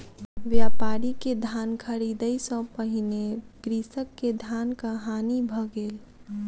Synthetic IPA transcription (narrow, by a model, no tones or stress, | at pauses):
ʋjaːpaːɾiked̪ʱaːnkʰəɾid̪əisɔ̃pəɦineɡɾisəkːed̪ʱaːnkaɦaːnibʱəɡeːl